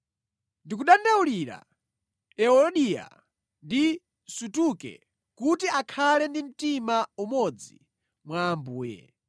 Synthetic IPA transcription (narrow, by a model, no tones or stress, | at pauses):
ndik̬uɗandauliɾa̰ | ɛɔlɔɗija̰ | ndi | sutukɛ̰ | kutiakʰalɛndim̩timaumɔd͡zḭ | mwaːmbuːjɛ̰